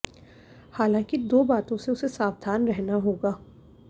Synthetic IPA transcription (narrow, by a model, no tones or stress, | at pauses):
haːlãːkid̪oːbaːt̪õseʊsesaːʋd̪ʱaːnɾɛɦnaɦoːɡaː